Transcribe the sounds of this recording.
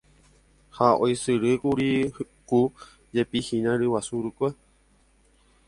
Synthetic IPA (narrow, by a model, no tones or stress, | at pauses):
haojsɨɾɨkuɾi | ku | d͡ʒepihĩnãɾɨwasuɾukʷe